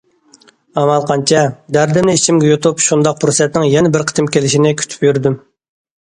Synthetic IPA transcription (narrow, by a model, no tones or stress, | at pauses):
ɑmɑlˠqʰɑnt͡ʃʰɛd̪æɾd̪ɪmnɪit͡ʃʰimɡʲɛjot̪ʰupʃund̪ɑq̚pʰɾusɛt̪nɪŋjɛnɛbɪɾqʰə̥t̪ʰɪmkʲʰelɪʃinɪkʲʰy̥t̪ʰy̥pjyɾd̪ym